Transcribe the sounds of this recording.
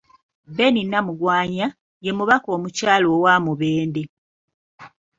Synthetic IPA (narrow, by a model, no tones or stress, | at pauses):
be̞ninːamuɡwaːɲa | je̞muβako̞ːmucaːloːwaːmuβeːnde